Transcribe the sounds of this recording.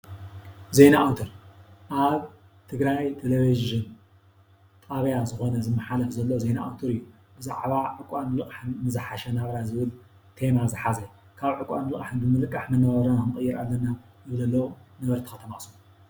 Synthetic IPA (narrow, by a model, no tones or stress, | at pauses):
zenaawt̪ʰoɾʔaβ | t̪ʰɨɡɾajt̪ʰeleβizʒɨn | t̪ʼaβɐjazɨxo̞nɐzɨmːɐħalɐfzɐlːozena̰ʔa̰wt̪ʰoɾɨjːu | b̥ɨza̰ʕβaʕɨkʼanɨlɨkʼaħnɨzɨħaʃɐnaβɐɾazɨβɨl | t̪ʰemazɨħazɐ | kʰaβʕɨkʼa̰nlɨχʼaħnɨbɨmɨlkʼːaħmɐnːaβɐɾanaɨnɨχʼɨjːɪɾalːɐnːa | zɨβlɐlːɐwunɐβɐɾt̪ʰɨ̥xɐt̪ʰɐmaʔsu